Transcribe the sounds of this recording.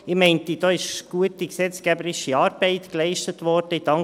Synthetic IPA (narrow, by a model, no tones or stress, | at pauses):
ɪmɛɪntid̥ɑːɪʃɡ̥uətiksɛt͡skæbəɾɪʃiɑːɾb̥ɛɪtklɛɪʃtətʋɔɾd̥əɪd̥ɑŋ